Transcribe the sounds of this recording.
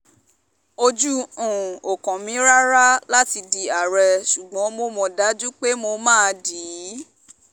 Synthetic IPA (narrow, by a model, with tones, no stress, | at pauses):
o˧d͡ʒu˦ũ˨o˨kɔ̃˨mĩ˨˦ɾa˦ɾa˦la˦ti˧di˧a˨ɾɛ˧ʃu˨ɡ͡bɔ̃˨˦mo˧mɔ̃˧da˨˦d͡ʒu˦k͡pe˦mo˧mãː˦˨˧diː˨˦˨